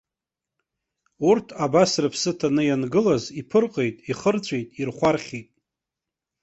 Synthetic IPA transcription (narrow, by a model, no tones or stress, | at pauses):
urtʰabasrɨpʰsɨtʰanɨjanɡɨlazipʰɨrqʼejtʼiχərt͡sʷʰʼejtʼirχʷarχʲitʼ